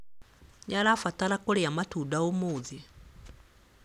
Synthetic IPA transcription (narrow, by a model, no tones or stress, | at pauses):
jalafatalakɔɺɛjamatʰudaumuːd͡zi